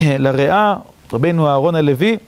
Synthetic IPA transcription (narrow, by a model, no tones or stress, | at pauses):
elaʁeʔa | ʁabejnuaːʁo̞nalevi